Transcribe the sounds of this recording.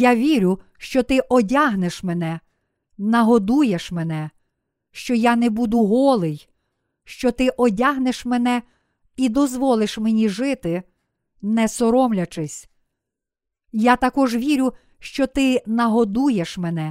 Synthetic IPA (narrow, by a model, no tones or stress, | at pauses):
jaʋʲiɾʲʊ | ʃt͡ʃɔt̪ɪʔɔdʲaɦneʃmɛnɛ | nɐɦɔd̪ujeʃmenɛ | ʃt͡ʃɔjanebud̪ʊɦɔlˠɪj | ʃt͡ʃɔt̪ɪʔɔdʲaɦneʃmenɛ | id̪ɔzʋɔlˠɪʃmenʲiʒɪt̪ɪ | nɛsɔɾɔmlʲɐt͡ʃɪsʲ | jat̪ɐkɔʒʋʲiɾʲʊ | ʃt͡ʃɔt̪ɪnɐɦɔd̪ujeʃmɛnɛ